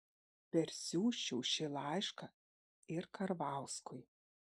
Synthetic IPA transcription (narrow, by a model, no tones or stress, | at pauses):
pʲɛɾʲsʲuːʃʲɛwʃɪlˠajʂkɐ | ɪrkʰɐɾvawskʰʊj